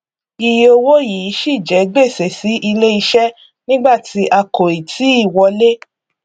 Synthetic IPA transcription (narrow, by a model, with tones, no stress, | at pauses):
i˧je˧o˧wo˦ji˨˦ʃi˦˨d͡ʒɛ˨˦ɡ͡be˦˨sɛ˨si˨˦ʔi˧le˦i˧ʃɛ˦ | nĩ˦ɡ͡ba˦˨tʰi˨˧ʔa˧ko˨i˨tʰi˨˦i˦˨wɔ˧le˦